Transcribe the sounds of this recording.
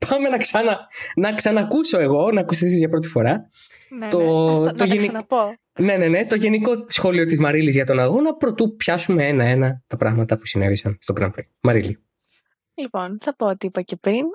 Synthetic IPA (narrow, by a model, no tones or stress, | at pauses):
pʰɐme̞nɐksɐnɐnɐksɐnɐkuso̞e̞ɣo̞nɐkusisizʝɐpɾo̞t̪ifo̞ɾɐ | t̪ot̪oʝen | ne̞ne̞ne̞t̪o̞ʝe̞niko̞sxo̞lio̞t̪izmɐɾilizʝɐt̪o̞nɐɣo̞nɐpɾo̞t̪upçɐsume̞e̞nɐe̞nɐt̪ɐpɾɐɣmɐt̪ɐpusine̞ðisɐnst̪o̞ɡɾɐ̰mpɾḛ | mɐɾili | liponθɐpoot̪iipɐcepɾin